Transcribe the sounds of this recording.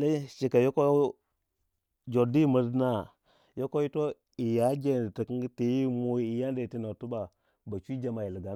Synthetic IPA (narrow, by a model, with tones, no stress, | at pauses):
le˦ʃi˨ka˨jo˦ko˦ | d͡ʒo˨di˦mə˨dna˦ | jo˦ko˦i˦to˦ | i˨ja˨˦ɡe˦n˨ti˨kə˦ti˨ji˦mu˦˨i˨ja˦n˦da˨ti˦no˨tu˦ba˨ | ba˨t͡ʃi˦d͡ʒa˨ma˨ji˨li˨ɡa˨